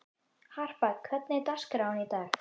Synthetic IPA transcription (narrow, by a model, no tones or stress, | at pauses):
har̥pakʰvɛt̪̚nɪt̪askɾawnit̪aɾ